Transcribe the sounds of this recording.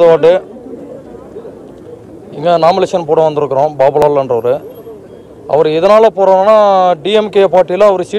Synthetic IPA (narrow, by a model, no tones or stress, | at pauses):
ðɯʋaːʈːɯ | ɪŋɡɐnaːmɪleːʂɐnpoːɽɐ̃ʋɐnd̪ɯɾɯkːɯɾõːbaːbɯlaːllɐndrɐʋɐɾɯ | ɐ̰ʋɐɾɯɪðɐnaːlɐpoːɾaːnːnːaːɖiɛmkeːpaːɾʈːijlɐːɐʋɐɾɯsɪ